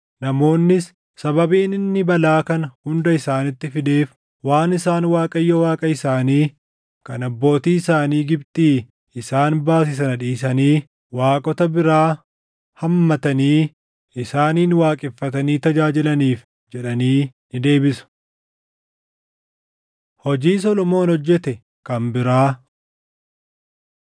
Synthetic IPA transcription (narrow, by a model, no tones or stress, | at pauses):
nɐmo̞ːnːɪs | sɐbɐbiːnɪnːɪbɐlaːkɐnɐhʊnd̪ɐɪsaːnɪt̪ːɪfɪd̪e̞ːf | waːnɪsaːnwaːkʼɐjːɔwaːkʼɐɪsaːniː | kɐnɐbːo̞ːt̪iːɪsaːniːɡɪbt̪ʼiː | ɪsaːnbaːs̬ɪs̬ɐnɐᶑiːsɐniː | waːkʼɔt̪ɐbɪɾaː | hɐmːɐt̪ɐniː | ɪsaːniːnwaːkʼɪfːɐt̪ɐniːt̪ɐd͡ʒaːd͡ʒɪlɐniːf | d͡ʒɛᶑɐniːnɪd̪e̞ːbɪsʊ̥ | hɔd͡ʒiːs̬ɔlɔmo̞ːnhɔd͡ʒːɛt̪ɛ | kɐmbɪɾaː